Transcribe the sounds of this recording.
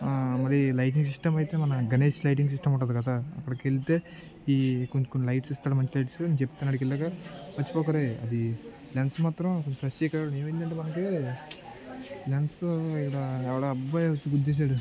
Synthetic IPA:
mɐɾilɐjʈ̬iŋɡs̬iʂʈɐmɐjit̪e̞ːmɐnɐɡɐneːʂlɐjʈ̬iŋɡs̬isʂʈɐmɐɳʈaːd̪ukɐd̪aɐ̰kːɐɽɐkeɭit̪e̞ː | ikoɲt͡ʃukonːilɐjʈsist̪aːɽmɐɲt͡ʃilɐjʈsut͡ʃep̚ːt̪anːɐːɽikeɭːaːkɐmɐt͡ʃːipɔːkɐɾeɐ̰d̪i | ljaːnsmaːt̪ɾɐmkoɲt͡ʃupʰɐst͡ʃikːɐɽeːʋɐind̪ɐɳʈeːmɐnɐk̬e | laːnsikːɐɽɐɛʋɐɭaɐbːajʋɐt͡ʃːuɡud̪ːes̬aːɽu

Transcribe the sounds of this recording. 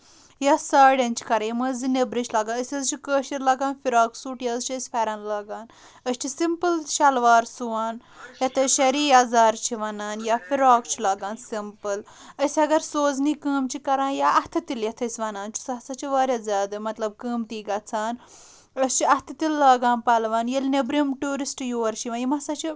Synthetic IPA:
jaːsaːɽʲɐnt͡ʃʰi̥kɐɾãjiməːzinebɾit͡ʃʰlaːɡaːəsʲɐzt͡ʃʰikəːʃiɾlɐːɡaːnfiɾaːksuːʈijɐzt͡ʃʰiəsʲpʰɐɾɐːnlaːɡaːn | əst͡ʃʰisimpɨlʃɐlʋaːɾsuʋaːn | jɐt̪ʰɐʃɐɾiːaːzaːɾt͡ʃʰiʋɐnaːnjaːfiɾaːkt͡ʃʰilaːɡaːnsimpɨl | əsʲiɐɡɐɾsoːzniːkəːmt͡ʃʰikɐɾãːnjaːʔɐht̪ʰɐt̪iljɐt̪ʰɐsʲʋɐnaːnt͡ʃʰu̥sɐɦɐsat͡ʃʰiʋaːɾʲjaːzʲjaːd̪ɐmɐt̪lɐb̚kəːmt̪iːɡɐt͡sʰaːn | əst͡ʃʰiɐht̪ʰɐt̪ilːaːɡaːnpɐlʋaːnjɐlnebɾimʈuːɾisʈjoːɾt͡ʃʰiʋɐːnjimɐsat͡ʃʰi

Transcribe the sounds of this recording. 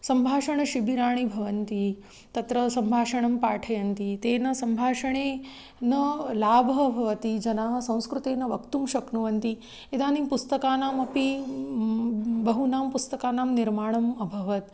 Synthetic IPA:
sɐmbʱaːʂɐɳɐʃibiɾaːɳ̃ibʱɐʋɐnt̪i | t̪ɐt̪ɾɐsɐmbʱaːʂɐɳɐmpaːʈʰɐjɐnt̪it̪eːnɐsɐmbʱaːʂɐɳ̃eː | nɐlaːbʱɐbʱɐʋɐt̪id͡ʒɐnaːɦɐ̆sɐ̃w̃skɾut̪eːnɐʋɐkt̪umʃɐknuʋɐnt̪i | ed̪aːnipust̪ɐkaːnaːmɐpi | bɐɦunaːmpust̪ɐkaːnaːmniɾmaːɳ̃ɐmɐbʱɐʋɐt̪̚

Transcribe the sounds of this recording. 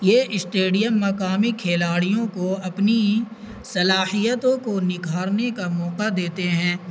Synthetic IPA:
jeʔɪsʈeːɖijəmːɐkaːmikʰeːlaːɽijõkoɐpni | sɐlaːhijət̪õkonɪɡʱaːɾnekamɔːqad̪eːt̪eɦɛ̃ː

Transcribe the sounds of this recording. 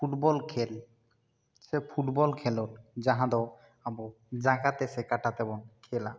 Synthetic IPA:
pʰuʈbɔlkʰel | sepʰuʈbɔlkʰɛloɾd͡ʒãɦãd̪ɔ | abɔ | d͡ʒakat̪esekaʈat̪ɛbɔnkʰela

